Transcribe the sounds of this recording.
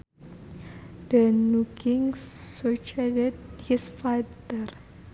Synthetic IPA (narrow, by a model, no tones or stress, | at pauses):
dənukʰĩŋsːot͡ʃadd̚hisfatəɾ